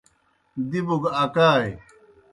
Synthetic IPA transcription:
d̪ibuɡakaːj

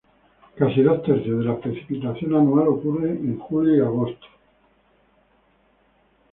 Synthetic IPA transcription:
kasiðost̪eɾθjoðe̞lapɾe̞θi̥pit̪aθjo̞nanualo̞kureʔeŋxuljoiaɣ̞o̞st̪o̥

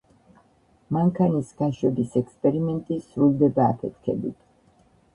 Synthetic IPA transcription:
maŋkʰanisɡ̥aʃwɛbisɛkspʼɛɾimɛnt̪ʼisɾuld̪ɛbaːpʰɛt̪̚ʰkʰɛ̰bit̪ʰ

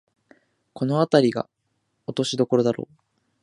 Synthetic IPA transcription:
ko̞no̞at̪aɾʲiɡa̰ | ot̪o̞ɕid̪o̞ko̞ɾo̞d̪aɾo̞̰ː

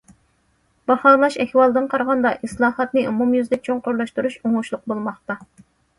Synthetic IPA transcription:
b̥ɑhɑːlˠɑʃɛhwɑlˠd̪ɨnqʰɑɾʁɑnd̪ɑʔislˠɑːhɑt̪nɨʔumumjyzlɪk̚ʲt͡ʃʰoŋqʊɾlˠɑʃt̪uɾuʃoŋuʃlˠʊq̚bolˠmɑχt̪ɑ

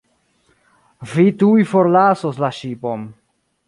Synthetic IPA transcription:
vitujfoɾlasoslaʃipom

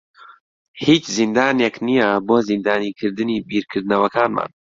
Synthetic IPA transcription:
hiːt͡ʃzind̪aːneknijɛboːzind̪aːniːkʰɨɾd̪ɨniːbiɾkʰɨɾd̪nɐwɐkaːnma̰ːn

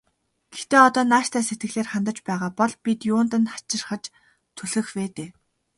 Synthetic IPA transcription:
ɡ̥ext̪eːɔt̪ɔːnaːʃt̪ʰæːset̪ɡɘ̆ɮeːrχant̪ə̆t͡ɕpæːʁaːpɔɮpit̪jʊːnt̪ə̆nχḁt͡ɕɪ̆rχə̆t͡ɕ | t̪ʰɵɮɘ̆xweːt̪eː

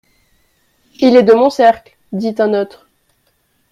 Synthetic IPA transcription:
ilɛd̪əmɔ̃sɛʁkl | d̪it̪ɛ̃not̪χ

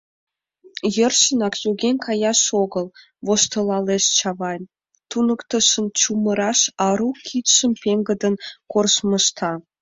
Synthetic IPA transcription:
jərʃənɑkjuɣenʲkʰɑjɑʃoɣəl | βoʃt̪əlɑleʃt͡ɕɑβɑnʲ | t̪unəkt̪əʃəmt͡ɕuməɾɑʃɑɾukʰit̪ʃəmpeŋɡəd̪ənkorʃməʃt̪ʰɑ

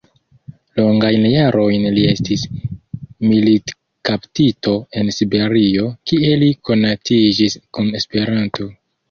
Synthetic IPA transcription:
lo̞ŋɡajnjaɾʔo̞jnlie̞stis | milit | kaptito̞e̞nsibe̞ɾio̞kie̞liko̞natid͡ʒiskune̞spe̞ɾanto̞

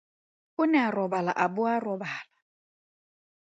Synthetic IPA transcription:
ʊnɛarɔbala̰ʔabʊarɔbaːla

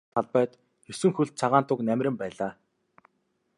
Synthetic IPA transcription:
t̪ʰaɮpœːt̪ | xeswɘ̆ŋxuɮt̪̚t͡sʰaʁaːnt̪ʊknæmʲrʲɘ̆mpæːɮaː

